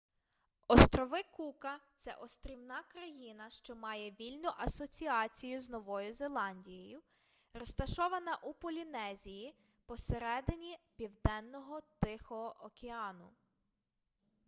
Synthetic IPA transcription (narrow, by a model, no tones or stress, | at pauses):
ɔst̪ɾɔʋɪkukɐt̪sɛ̰ʔɔst̪ɾʲiwnɑkɾɐjinɐʃt͡ʃɔmɑjɛʋʲilʲnʊʔɐsɔt͡sʲiɑt͡sʲijʊznɔʋɔjʊze̞lˠɑnʲdʲijɔjʊ | rɔst̪ɐʃɔʋɐnɐʔupɔlʲinɛzʲiji | pɔseɾɛd̪ɪnʲipʲiwd̪ɛnːɔɦɔt̪ɪxɔʔɔkʲeɑnʊ